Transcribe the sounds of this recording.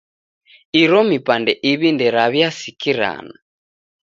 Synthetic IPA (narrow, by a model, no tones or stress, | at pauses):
iɾɔmipandɛʔiβindɛɾaβjasikiɾa̰na